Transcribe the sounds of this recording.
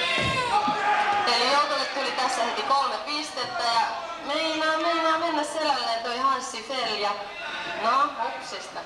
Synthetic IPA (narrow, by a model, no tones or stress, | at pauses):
t̪eilːejout̪oset̪t̪ulit̪æsːæhet̪ikolmepist̪et̪ːæjɑ | meinɑːmeinɑːmenːæsselælːeːnt̪oihɑnsːifeljɑ | nɑːpːuksest̪ɑ